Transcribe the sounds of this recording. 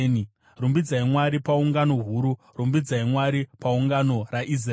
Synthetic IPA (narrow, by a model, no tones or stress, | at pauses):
ni | rumbid͡zaimwaɾipauŋɡano̞ɦuːɾu | rumbid͡zaimwaɾipauŋɡano̞raʔis̬r